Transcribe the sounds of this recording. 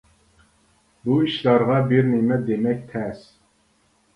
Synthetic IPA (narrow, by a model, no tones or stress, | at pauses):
buiʃlɑɾʁɑbiɾnimɛd̪emɛk̚ʲt̪ʰɛs